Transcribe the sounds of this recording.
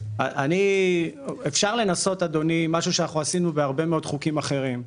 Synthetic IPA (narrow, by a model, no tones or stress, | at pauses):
a̰ʔa̰ni | efʃaʁle̞naso̞t̪ad̪o̞nimaʃuʃeanaχnuasinubeaʁbe̞meo̞d̪χukimaχe̞ʁim